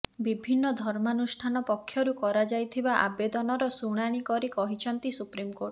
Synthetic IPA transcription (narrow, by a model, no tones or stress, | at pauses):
bibʱinːɔd̪ʱɔɾmanusʈʰanɔpɔkʰːjɔɾukɔɾad͡ʒajt̪ʰibaʔa̰bed̪ɔnɔɾɔsuɽ̃aɽ̃ikɔɾikɔɦit͡ʃʰɔnt̪isupɾimkoɾʈ